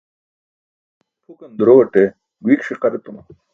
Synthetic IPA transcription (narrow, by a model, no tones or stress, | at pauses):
ʈʰukɐnd̪ɾoɐʈe | ɡuikʂiqɐɾet̪uma